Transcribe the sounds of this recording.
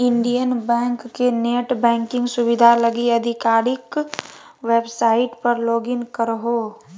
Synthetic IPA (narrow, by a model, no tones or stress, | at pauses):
ɪ̃ɳɖijənbɛ̃ːŋkːeneːʈbɛ̃ːŋkɪ̃ŋɡsʊʋɪd̪ʱalɐɡiɐd̪ʱɪkaːɾɪk | ʋeːbsaːɪʈpɐɾloːɡɪnkəɾɦoː